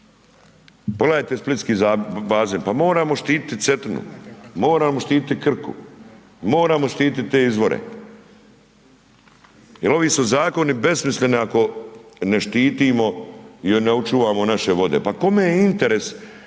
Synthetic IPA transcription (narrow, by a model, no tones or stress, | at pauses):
poɡlajet̪esplit̪skiːzabaːzeːnpamo̞ːɾaːmoʃt̪iːt̪i̥t̪it̪se̞t̪nṵmo̞ːɾaːmo̞ʃt̪iːt̪it̪ikr̩kṵ | mo̞ːɾaːmo̞ʃt̪iːt̪it̪t̪ːe̞ːizʋo̞ɾḛ | jelo̞ʋiːsuzaːko̞nibe̞smisle̞niako̞neʃt̪iːt̪iːmo̞jeɾneut͡ʃuːʋaːmo̞naʃe̞ʋo̞d̪e̞̰pako̞mejeint̪eɾe̞s